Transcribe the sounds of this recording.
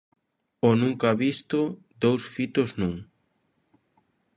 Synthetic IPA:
onũŋkaaβist̪ʊ | d̪owsfit̪oznũŋ

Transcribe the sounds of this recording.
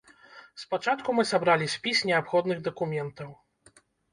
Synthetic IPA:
spat͡ʂat̪kumɨsabɾalʲisʲpʲisʲnʲɛapxɔd̪nɨɣd̪ɐkumʲɛnt̪ɐw

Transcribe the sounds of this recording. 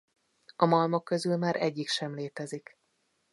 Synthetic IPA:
ɒmɒlmokːø̞zylmaːɾʔɛɟːikʃɛmleːt̪ɛzik

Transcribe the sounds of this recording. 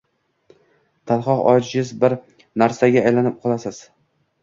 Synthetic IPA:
t̪ʰalˠχɒqɒ̰d͡ʒɪɪzbɪɾ | naɾsaɡʲaːjlanɪp̚qʰɒlˠasɪz̥

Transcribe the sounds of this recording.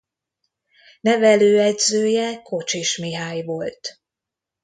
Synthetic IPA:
nɛvɛløːɛɟzøːjɛkʰo̞t͡ʃeːʃmiɦaːjvolt̪

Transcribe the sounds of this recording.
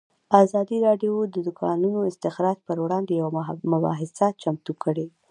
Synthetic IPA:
ɑzɑd̪iɾɑɖjod̪əd̪ʊkʰɑnunoɪst̪ɪxɾɑd͡ʒpəɾwɽɑnd̪ejawamʊbɑ̰ɦɪsat͡ʃamt̪ukʰəɽe

